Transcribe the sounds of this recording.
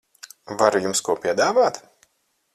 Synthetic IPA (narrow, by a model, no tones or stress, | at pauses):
vaɾujumskuɔpʲiɛd̪aːvaːt̪